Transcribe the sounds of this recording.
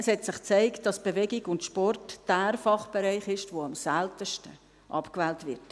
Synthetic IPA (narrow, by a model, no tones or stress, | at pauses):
əshɛtsɪχt͡sæɪkt̚d̥ɑsb̥evɛɡiɡʊntʃpɔrtd̥æːɾfɑχb̥eɾɛɪχɪʃtvoɑmsæltəʃtə | ʔɑ̰pkvɛːltvɪt